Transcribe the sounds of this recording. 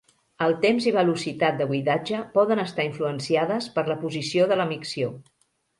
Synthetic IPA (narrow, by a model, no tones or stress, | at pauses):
əlˠt̪emziβ̞əlusit̪at̪̚d̪əβuiðad͡ʒəpɔðənəst̪aiɱfluənsiaðəspəɾləpuzisioðələmiksio